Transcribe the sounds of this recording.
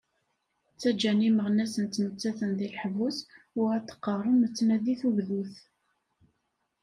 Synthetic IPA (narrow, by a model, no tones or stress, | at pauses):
t͡sːæd͡ʒæniməʁnæsənt̪mət͡sːæθənðilħvus | ʊʁæt̪ːə̥qːərˤəmət͡sːnæðiθuʝðuθ